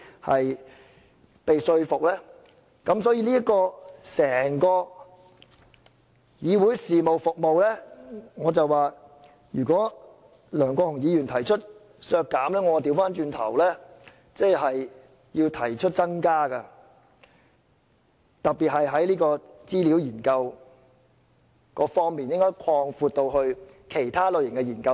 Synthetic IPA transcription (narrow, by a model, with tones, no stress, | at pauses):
hɐ˨j | pe˨jsɵ˧ɥfʊ˨k̚lɛː˥ | kɐ˨˥msɔː˨˥jiː˧liː˥ɐ˥t̚kɔː˧sɛː˨˩ŋkɔː˧ | jiː˨˧wu˨˥jsiː˨mo˨wfʊ˨k̚mo˨wlɛː˥ŋɔː˨˧t͡sɐ˨wwaː˨ | jyː˨˩kɔː˨˥ | lœː˨˩ŋkɔː˧hʊ˨˩ŋjiː˨˧jyː˨˩nt̪ʰɐ˨˩jt͡ʃʰɵ˥t̚ | sœː˧kːaː˨˥mlɛː˥ŋɔ˧t̪iː˧wfaː˥nt͡ʃyː˧nt̪ʰɐ̰˨˩wlɛː˥ | t͡sɛ˥˩ɦɐ˨j | jiː˧wt̪ʰɐ˨˩jt͡ʃʰɵ˥t̚t͡sɐ˥ŋkaː˥kɐ˧ | t̪ɐ˨k̚piː˨t̚hɐ˨jɦɐ˨˥jliː˥kɔː˧t͡siː˥liː˨˥wjiː˨˩nkɐ˧w | kɔː˧fɔː˥ŋmiː˨njɪ˥ŋkɔː˥jkʰɔː˧ŋfuː˧t̪̚o˧whɵ˧ɥ | kʰe˨˩jt̪ʰaː˥lo˨˧ɥjɪ˨˩ŋkɛ˧jiː˨˩nkɐ˧w